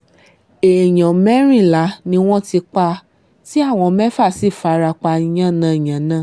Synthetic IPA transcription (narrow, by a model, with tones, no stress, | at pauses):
e˨j̃ã˨mɛ˦ɾ̃ĩ˦˨la˨˦nĩ˧w̃ɔ̃˦ti˧k͡pa˧ | ti˦a˦˨w̃ɔ̃˧mɛ˦fa˦˨si˦˨fa˧ɾa˧k͡pa˧i˧j̃ã˦˨nã˨˦˨j̃ã˨nã˦˨